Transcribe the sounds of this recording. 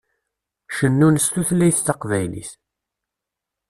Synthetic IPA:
ʃənːunst̪uθlæjθθɑqvæjlḭθ

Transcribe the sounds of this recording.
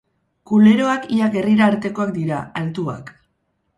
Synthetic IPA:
kule̞ɾo̞akiaɡe̞riɾaːɾt̪e̞ko̞akd̪iɾa̰alt̪ua̰k

